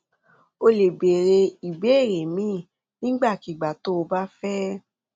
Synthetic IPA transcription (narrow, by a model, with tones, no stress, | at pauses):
o˧le˨be˨ɾe˧i˨be˨˦e˦˨ɾe˨mĩ˨˦˨ | nĩ˦ɡ͡ba˦˨ki˨ɡ͡ba˨to˦o˧ba˦fɛ˦